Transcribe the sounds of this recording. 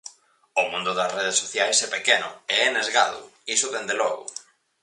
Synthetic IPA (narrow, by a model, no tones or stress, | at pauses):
omũnd̪ʊðɐsreð̞esːoθjajsɛpekenʊ̰eɛnezɣaðʊ̰isʊðend̪elɔɣʊ̰